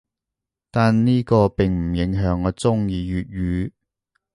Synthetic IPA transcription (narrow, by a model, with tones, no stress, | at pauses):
t̪aː˨nniː˥kɔː˧pɪ˨ŋm̩˨˩jɪ˨˥ŋɦœː˨˧˥ŋːɔː˨˧t͡sʊ˥ŋjiː˨˧jyː˨t̚ɥyː˨˧˥